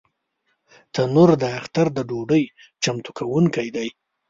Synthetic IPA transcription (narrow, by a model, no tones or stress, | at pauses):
t̪ʰanuɾd̪əaxt̪aɾd̪əɖoɖəj | t͡ʃamt̪ukʰawuŋkajd̪aj